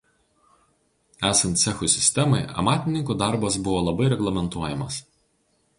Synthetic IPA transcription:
æːsɐnt̪ʲsʲɛxʊsʲɪ̥sʲt̪ʲɛmɐɪɐ̰mɑːt̪ʲɪnʲɪŋkuːd̪ɑˑɾbɐsbʊʋoːlˠɐbɐɪɾʲɛɡlˠɐmʲɛnt̪uɔjɛmɐs

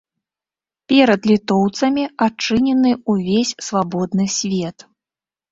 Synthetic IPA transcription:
pʲɛɾɐd̪lʲit̪ɔwt̪sɐmʲiat͡ʂɨnʲɛnɨuvʲesʲsvabɔd̪nɨsʲvʲɛt̪

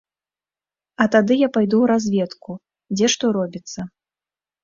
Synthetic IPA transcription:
ɐt̪ad̪ɨjapajd̪uwɾazʲvʲɛt̪ku | d͡zʲɛʂt̪ɔɾɔbʲit̪sːɐ

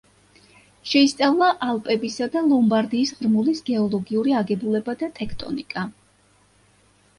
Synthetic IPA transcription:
ʃɛist̪sʼavlˠaʔalˠpʼɛbisad̪alˠɔmbaɾd̪iːsʁɾmulisɡɛɔlˠɔɡiuɾiaɡɛbulɛbad̪at̪ʼɛkʰt̪ʼɔ̰nikʼa

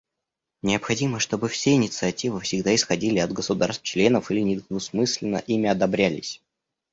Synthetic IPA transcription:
nʲɪəpxɐdʲiməʂt̪o̞bɨfsʲeɪnʲɪt̪sɨɐtʲivɨfsʲɪɡd̪aɪsxɐdʲilʲɪɐd̪ɡəsʊd̪arst̪t͡ɕlʲe̞nəfilʲɪnʲɪd̪nʊsmɨsʲlʲɪnə̰ʔimʲɪɐd̪ɐbɾʲælʲɪsʲ

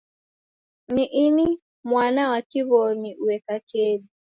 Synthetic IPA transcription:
niʔini | mwanawakiβɔniuɛkakɛli

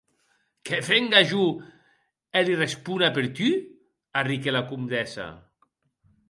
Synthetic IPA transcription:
kefeŋɡaʒu | elirespunapeɾt̪y | arikelakumd̪ɛsa̰

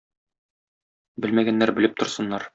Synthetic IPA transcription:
bɘlmæɡænːæɾbɘ̆lɘp̚t̪ŏɾsɤ̆nːɑɾ

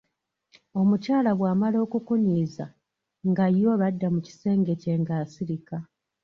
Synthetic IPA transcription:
o̞mucaːlaβwaːmalo̞ːkukuɲiːza̰ | ŋɡajo̞βadːamuci̥se̞ːŋɡe̞ce̞ŋɡaːsiɾika

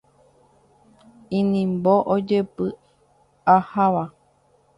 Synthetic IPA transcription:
ĩnĩmboʔod͡ʒepɨ | ahaʋa

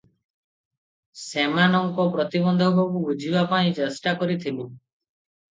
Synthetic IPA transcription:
semanɔŋkɔpɾɔt̪ibɔnd̪ʱɔbɔkuud͡ʒibapaĩt͡ʃesʈakɔɾit̪ʰilu

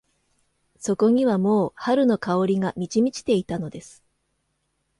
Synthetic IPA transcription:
so̞ko̞ɲ̟iβamo̞ːhaɾɯ̟no̞kao̞ɾʲiŋamʲit͡ɕimʲit͡ɕi̥t̪e̞it̪ano̞d̪e̞sɨ̥

